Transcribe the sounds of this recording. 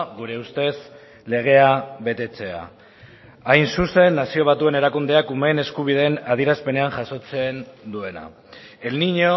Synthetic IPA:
ɣuɾe̞ust̪e̞s | le̞ɣ̞e̞aβe̞t̪e̞t͡se̞a̰ | ajnsuse̞nːasio̞βat̪ue̞ne̞ɾakund̪e̞akume̞ne̞skuβ̞ið̞e̞ːnað̞iɾaspe̞ne̞anʝaso̞t͡se̞nd̪ue̞na̰ | e̞lniɲo

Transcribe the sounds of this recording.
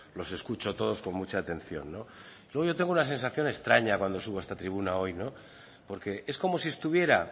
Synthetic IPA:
lo̞se̞skut͡ʃo̞t̪o̞ðo̞sko̞nmut͡ʃaːt̪e̞nθjo̞̰nːo̞ilweo̞ʝo̞t̪e̞ŋɡunas̬ẽ̞nsaθjo̞ne̞st̪ɾaɲakwand̪o̞suβe̞st̪at̪ɾiβ̞unao̞jno̞ | po̞ɾke̞ʔe̞sko̞mo̞siest̪uβ̞je̞ɾa

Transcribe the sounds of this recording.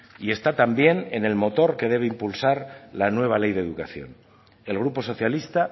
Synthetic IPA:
ie̞st̪at̪ambje̞ne̞ne̞lmo̞t̪o̞ɾke̞ð̞e̞β̞e̞impulsaɾlanwe̞β̞ale̞jðeðukaθjo̞̰n | e̞lɣ̞ɾupo̞so̞θjalist̪a

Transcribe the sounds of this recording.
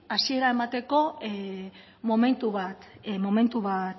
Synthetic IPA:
asie̞ɾae̞mat̪e̞ko̞ | mo̞me̞nt̪uβat̪mo̞me̞nt̪uβat̪

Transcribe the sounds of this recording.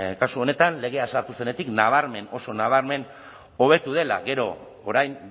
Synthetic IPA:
kasuo̞ne̞t̪anle̞ɣ̞e̞aesaɾt̪use̞ne̞t̪iknaβ̞aɾme̞no̞so̞naβ̞aɾme̞n | o̞β̞e̞t̪uðe̞la̰ɣe̞ɾo̞̰ː | ɾajm

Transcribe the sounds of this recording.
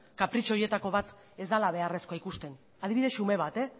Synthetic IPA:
kapɾit͡ʃo̞je̞t̪ako̞βat̪ | e̞zd̪alaβe̞are̞skoaikust̪e̞n | að̞iβiðe̞sːume̞βat̪e̞

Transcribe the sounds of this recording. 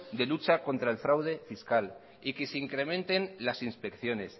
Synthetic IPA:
d̪e̞lut͡ʃako̞nt̪ɾaelfɾawðe̞fiskal | ike̞seiŋkɾe̞mẽ̞nt̪e̞nlasinspe̞kθjo̞ne̞s

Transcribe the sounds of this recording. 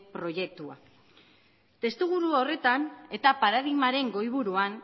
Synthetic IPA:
pɾo̞je̞k̚t̪ua | t̪e̞st̪uɣ̞uɾuo̞re̞t̪ane̞t̪apaɾað̞imaɾe̞ŋɡo̞jβuɾuan

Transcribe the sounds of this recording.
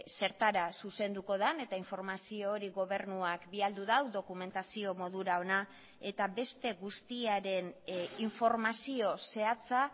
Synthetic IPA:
se̞ɾt̪aɾasuse̞nd̪uko̞ð̞ane̞t̪aiɱfo̞ɾmasio̞ːɾiɣo̞βe̞ɾnuakbiald̪uðawðo̞kume̞nt̪asio̞mo̞ðuɾao̞na | e̞t̪aβe̞st̪e̞ɣust̪iaɾe̞niɱfo̞ɾmasio̞se̞at͡sa

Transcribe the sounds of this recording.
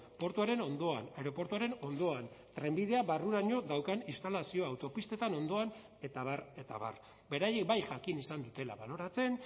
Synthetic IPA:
po̞ɾt̪uaɾe̞no̞nd̪o̞a̰neɾo̞po̞ɾt̪uaɾe̞no̞nd̪o̞ant̪ɾe̞mbið̞e̞aβaruɾaɲo̞ðawkanist̪alasio̞awt̪o̞pist̪e̞t̪ano̞nd̪o̞an | e̞t̪aβ̞are̞t̪a̰βa̰r | be̞ɾajek̚bajʝakinisand̪ut̪e̞la̰βalo̞ɾat͡se̞n

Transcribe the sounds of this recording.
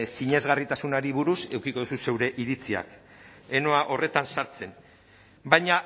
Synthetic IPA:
siɲe̞zɣarit̪asunaɾiβuɾuse̞wkiko̞ðususe̞wɾe̞ʔiɾit͡sia̰k | eno̞aʔo̞re̞t̪ansaɾt͡se̞n | bajɲa

